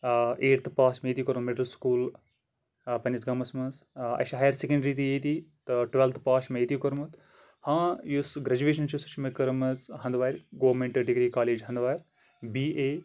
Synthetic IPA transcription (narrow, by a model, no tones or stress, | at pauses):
ʔeːʈt̪ʰpaːsmet̪ikoɾmɐmeɖlskuːl | pɐnisɡɐmɐsmɐnsɐ̰ʃɦaːjɐɾsekɐɳɖɾiːt̪ieːt̪it̪ʈʋelt̪ʰpaːʃmɐet̪ikoɾmɐt̪ | hãːjusɡɾɐd͡ʒuʋeːʃ̬ɐnt͡ʃisu̥t͡ʃʰmɐkɐɾmɐzɦɐnd̪ʋaːjɾʲɡoːɾmẽɳʈɐɾɖiɡɾiːkaːleːd͡ʒɦɐ̃nd̪ʋaːjɾʲ | biːeː